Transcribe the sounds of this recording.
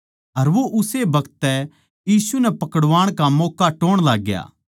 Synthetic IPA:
ɐɾʋoʔʊsebɐkət̪ːɛ | jiːsunɛpɐkəɽʋaːɽ̃kamoːkaʈoːɽ̃laːɡja̰ː

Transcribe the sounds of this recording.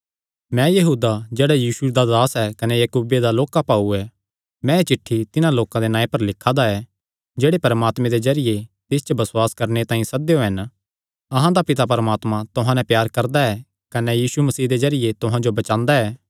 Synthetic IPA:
mɛ̃jɐɦuːd̪ad͡ʒeːɽajiːsud̪ad̪aːsɛkɐnɛjɐkuːbed̪aloːkapaːuɛ | mɛ̃et͡ʃɪʈʰːit̪ɪnãloːkãd̪enãːepɐɾlɪkʰːad̪aɛ | d͡ʒeːɽepɐɾəmaːt̪mẽd̪ezɐɾɪjet̪ɪst͡ʃobɐsʊwaːskɐɾnet̪ãːĩsɐd̪ejoɦɐn | ɐɦãd̪apɪt̪apɐɾəmaːt̪mãt̪ʊɦãnɛ̃pjaːɾkɐɾd̪aɛ | kɐnɛjiːsumɐsiːd̪ezɐɾɪjet̪ʊɦãd͡ʒobɐt͡ʃãːnd̪aɛː

